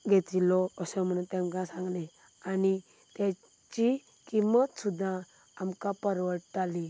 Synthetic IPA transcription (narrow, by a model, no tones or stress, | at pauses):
ɡʱet̪ilɔəsə̃m̤əɽ̃unt̪ɛ̃mkãsãŋɡlẽ | ani | t̪ja | t͡ɕi | kimət̪sud̪ʱːã | amkãpəɾʋəʈt̪ali